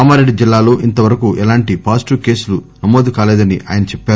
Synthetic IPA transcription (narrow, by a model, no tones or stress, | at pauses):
aːmaːɾeɖid͡ʒilːaːlo̞ːʔint̪ɐʋɐɾɐkuːʔɛlaːɳʈipaːsʈuke̞ːsulu | nɐmoːd̪ukaːleːd̪ɐniʔʔa̰ːjɐnɐt͡ʃɛpːaːɾ